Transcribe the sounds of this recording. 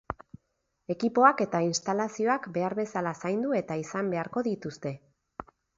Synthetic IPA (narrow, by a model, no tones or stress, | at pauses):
e̞kipo̞ake̞t̪ainst̪alasio̞akbe̞aɾβe̞salasajnd̪ue̞t̪aisambe̞aɾko̞ðit̪ust̪e̞